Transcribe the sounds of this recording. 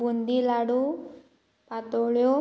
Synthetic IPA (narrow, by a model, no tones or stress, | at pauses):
und̪ilaɽu | pat̪oɭjo